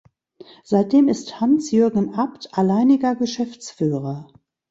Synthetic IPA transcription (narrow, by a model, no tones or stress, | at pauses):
z̥aɪt̚d̥eːmɪsthansjøɐɡŋ̩ʔaptʰʔalaɪnɪɡɐɡəʃɛft͡sfyːʁɐ